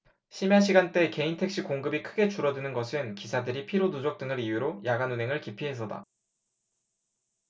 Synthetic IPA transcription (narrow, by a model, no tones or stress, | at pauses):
ɕʰimjaɕ̬ʰiɡant͈e̞ke̞intʰe̞k̚ɕ͈ʰikoŋɡɯbikʰɯɡe̞t͡ɕuɾʌdɯnɯnɡʌsʰɯnkisʰadɯɾipʰiɾonud͡ʑʌk̚t͈ɯŋɯɾijuɾojaɡanunɦe̞ŋɯɭkipʰiɦe̞s̬ʰʌda̰